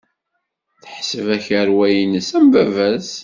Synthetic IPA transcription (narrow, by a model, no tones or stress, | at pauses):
θə̥ħsəvæçəɾwæjinəsæmvævæz